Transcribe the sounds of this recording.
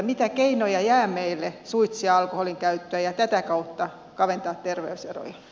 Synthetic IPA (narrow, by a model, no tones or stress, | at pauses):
mit̪ækeinojɑjæːmeilːesuit̪siɑɑlkoholiŋkæyt̪ːøæjɑt̪æt̪ækɑut̪ːɑ | kɑʋent̪ɑːt̪t̪erʋeysḛro̰jɑ